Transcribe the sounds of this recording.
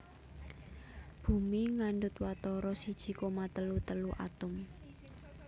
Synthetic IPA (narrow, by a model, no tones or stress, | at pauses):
b̥ṳmiŋaɳɖʊt̪̚wat̪ɔɾɔsid̥ʒ̥i̤komat̪əlut̪əluʔa̰t̪ʊm